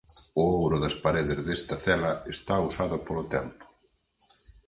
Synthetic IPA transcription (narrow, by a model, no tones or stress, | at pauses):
ʊowɾʊðɐspaɾeðɪzðest̪ɐθɛlɐest̪ausaðʊpolʊt̪ɛ̰mpʊ̥